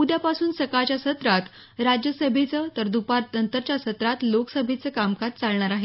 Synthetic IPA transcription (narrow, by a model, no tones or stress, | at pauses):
ud̪japasuːnsəkat͡ɕjasət̪ɾat̪ | ɾad͡ʑjəsəbʱet͡sət̪əɾd̪upaɾt̪ənt̪əɾt͡ɕjasət̪ɾat̪loksəbʱet͡səːkamkad͡zt͡saɭɳaɾaɦe